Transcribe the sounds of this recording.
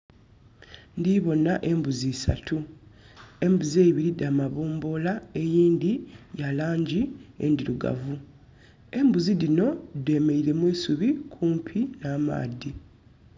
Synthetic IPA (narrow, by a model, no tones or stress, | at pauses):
ndiβo̞naʔe̞mbuzisa̰tʰu | e̞mbuzeːiβiɾidamaβoːmbo̞lae̞jiːnd̪ijalaːɲɟiḛndiɾuɡa̰vu | e̞mbuzidino̞de̞ːme̞iɾe̞mwiːsuβikʰuːmpʰinaːma̰ːdi